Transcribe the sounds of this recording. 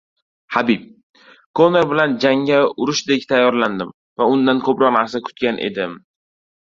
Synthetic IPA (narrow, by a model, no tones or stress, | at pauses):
habip̚ | kʰoneɾbɪland͡ʒaŋaʊɾʊʃd̪e̞kʲt̪ʰajːɒɾland̪ɪm | vaʊnd̪ankʰɵpɾɒqnaɾsakʰʊ̥t̪̚kʲanʔe̞̰d̪ɪm